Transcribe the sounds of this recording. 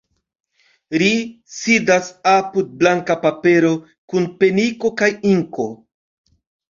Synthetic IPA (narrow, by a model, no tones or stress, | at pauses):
li | sidasapud̚blaŋkapape̞ɾo̞ | kunpe̞niko̞kajiŋko̞